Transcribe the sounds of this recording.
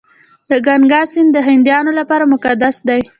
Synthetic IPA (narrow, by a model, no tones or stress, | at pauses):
d̪̥əɡaŋɡɑsɪnd̪əɦɪnd̪jɑnolapɑɾamʊkad̪asd̪aj